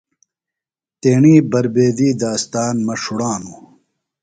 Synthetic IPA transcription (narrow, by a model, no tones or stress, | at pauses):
t̪eːɳiːbɐɾbeːd̪iːd̪aːst̪aːnmɐʂuɽaːnu